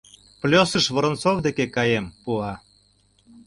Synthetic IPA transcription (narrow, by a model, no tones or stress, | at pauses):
plʲosəʃβə̆ɾə̆nt͡sovd̪ekekɑjempuɑ